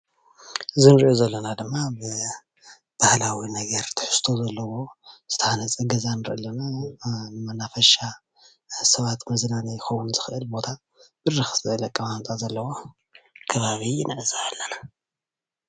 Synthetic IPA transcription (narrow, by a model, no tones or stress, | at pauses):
ɨzɨnɨɾʔozɐlːɐnad̪ɨmːabɨ | b̥ahlawinɐɡɐɾt̪ʰɨ̥ħɨ̥st̪ʰo̞zɐlːɐwo̞st̪ʰɐhanɐt͡sʼɐɡɐzanɨɾɨ̰ʔɨlːɐna | mɐnafɐʃa | sɐβat̪mɐzlanijɪxɐwunzɨxɨʔɨlbo̞t̪ʰat̪̚ | b̥ɨrɨxsɨʔɨlɐkʼːɐmant̪ʼazɐlːɐwo | kʰɐβaβinɨʔɨzaːlːɐna